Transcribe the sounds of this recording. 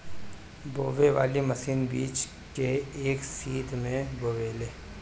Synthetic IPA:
boːʋeʋa̰ːlimɐsiːnbiːt͡ʃ | keːksiːd̪ʱmẽboːʋeleː

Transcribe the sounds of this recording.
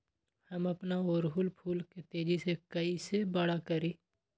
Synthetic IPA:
hɐmɐpnaoːɾɦʊlpʰuːlket̪eːd͡ʒisekɐisebaɽakɐɾiː

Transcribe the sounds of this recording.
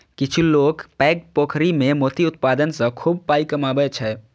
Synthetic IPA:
kit͡ʃʰulokpɛɡ̚pokʰɾimemot̪iut̪̚pad̪ənsə̃kʰub̚pajkəmabɛt͡ʃʰɛ

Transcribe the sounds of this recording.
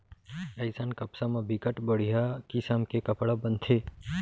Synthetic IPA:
ɐɪsaːnkɐpsamãbikəʈbəɽ̤ijakisaːmkekɐpɽabə̃nt̪ʰe

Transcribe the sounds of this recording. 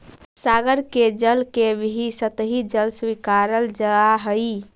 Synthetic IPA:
saɡəɾked͡ʒəlkebɦisət̪ɦid͡ʒəlswikaɾəld͡ʒəaɦəj

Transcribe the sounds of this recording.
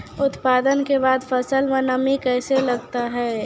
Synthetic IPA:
ʊt̪paːd̪ənkebaːd̪fʰəsəlmẽnəmikɛːseləɡt̪aɦɛː

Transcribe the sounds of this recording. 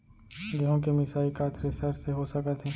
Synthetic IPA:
ɡɐɦõkemɪsaːikaːt̪ʰɾesɐɾseɦosɐkət̪ʰɦɛː

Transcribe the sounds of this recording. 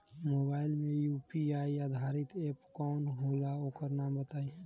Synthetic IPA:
mobaːɪlmẽjupiaːijad̪ʱaɾit̪eːpkɔːnɦoːlaoːkəɾnaːmbət̪aːi

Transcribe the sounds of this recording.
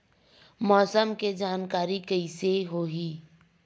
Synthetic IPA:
mɔːsəmked͡ʒaːnkaːɾikɐiseɦoːɦiː

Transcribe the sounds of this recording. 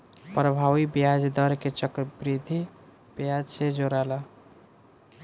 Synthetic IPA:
pɾəbʱawibjad͡ʒd̪əɾket͡ʃəkɾbɾid̪ʱi | b̥jad͡ʒsed͡ʒoɾalə

